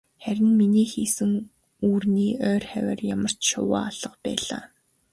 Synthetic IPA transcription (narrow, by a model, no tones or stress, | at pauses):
χæɾʲɪ̆nminiːxiːsɘ̆ŋ | uːrniːœːrχæwʲæ̰rjamə̆r̥t͡ɕʃʊ̰wa̰ːaɮ̥ə̆qpæ̰ːɮa̰ː